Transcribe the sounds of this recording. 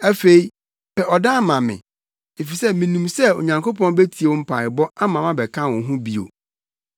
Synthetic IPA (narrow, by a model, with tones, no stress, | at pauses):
æ˦fe˨i˦ | pʰɛ˨ʔɔ˨dã˦mã˨mɪ̰̃˨ | e˨fi˨sɛ˦mĩ˨nũ˨msɛ˦o̰˨ɲã˨ŋkʰo˦pʰɔ̃˦n˦be˦tʰi˨e˨ʊ̃˦m̩˦pʰa˨ɪ˨bɔ˦a˦mã˨mã˦bɛ˨kʰã˦wɔ̃˨ɦũ˦bi˦o̰˨